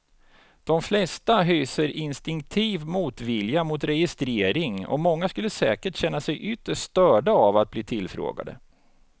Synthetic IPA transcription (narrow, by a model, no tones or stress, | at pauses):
d̪̥ɔmflɛst̪aɦyːsəɾɪnst̪ɪŋk̚t̪ʰiːvmuːt̪vɪljamʊt̪ɾɛjɪst̪ɾeːɾɪŋɔ̰mɔŋːaskɵlːəsɛ̰ːkəʈɕɛnːasɛjʔʏt̪ːəʂt̪œːɖaavat̪̚bliːt̪ʰɪlfɾo̰ːɡa̰d̪ə̰